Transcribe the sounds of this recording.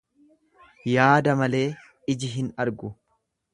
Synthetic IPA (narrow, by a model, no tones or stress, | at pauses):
jaːd̪ɐmɐle̞ː | ɪd͡ʒɪɦɪnɐɾɡʊ